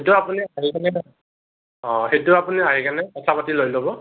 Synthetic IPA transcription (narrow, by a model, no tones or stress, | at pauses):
etʊapuniaɦikanɛ | ɔ̃ɦetʊapuniaɦikanɛkɔtʰapatilojlobɔ